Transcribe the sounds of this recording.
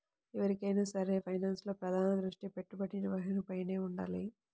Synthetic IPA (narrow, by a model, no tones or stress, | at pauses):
ɛʋɐɾikɐjnaːsɐɾe̞ːpʰɐjnaːnslo̞ːpɾɐd̪ʱaːnɐd̪ɾuʂʈipe̞ʈːubɐʈːinɐʋɐɦinɐpɐjne̞ːuɳɖa̰ːli